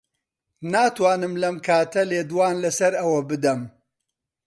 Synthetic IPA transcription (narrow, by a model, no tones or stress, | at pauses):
naːt̪ʰwaːnɨmlɐmkʰaːt̪ʰɐleːd̪waːnlɐsɐɾɐwɐbɨd̪ɐm